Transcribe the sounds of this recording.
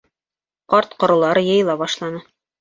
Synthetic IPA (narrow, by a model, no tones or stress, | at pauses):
qɑɾt̪qŏɾɤ̆lˠɑɾɤjɤ̆jlˠɑbɑʃlˠɑnɤ